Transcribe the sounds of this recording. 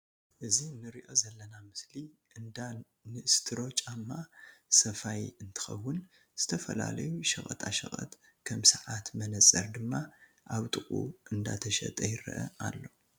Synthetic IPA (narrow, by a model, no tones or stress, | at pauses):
ʔɨzinːɨɾiʔo̞zɐlːɐnamɨsli | ʔɨnd̪a | nɨʔɨst̪ʰɨɾo̞t͡ʃʼamːasɐfajɨnt̪ʰɨ̥xɐ̰wːʊn | z̥ɨt̪ʰɐfɐla̰lɐ̰juʃɐχʼɐ̰t̪ʰʼaʃɐ̰χʼɐ̰t̪ | kʰɐmsɐʕat̪mɐnɐt͡sʼɐɾd̪ɨmːa | ʔaβt̪ʼɨχʼṵɨnd̪a̰t̪ʰɐʃɐ̰t̪ʼɐjɪɾɨ̰ʔɐ̰a̰lːo̞